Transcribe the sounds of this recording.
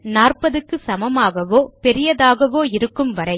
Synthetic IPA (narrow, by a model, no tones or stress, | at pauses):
naːrpɐðɯkːɯsɐmɐmaːɣɐʋoːpɛɾɪjɐðaːɣɐʋoːɪɾɯkːɯmʋɐɾɐɪ